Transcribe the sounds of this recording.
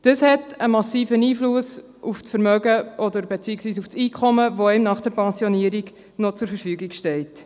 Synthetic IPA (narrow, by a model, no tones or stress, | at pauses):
d̥əshɛtəmɑsiːfəniːflus | uft͡sfəɾmœɡəʔɔdəɾbet͡siːɪksʋiːsufsiːkʰɔməʋoɛmnɑχd̥ɛɾpɛnsjɔniəɾiɡ | not͡sʊɾfəɾfyːɡiɡʃtɛlt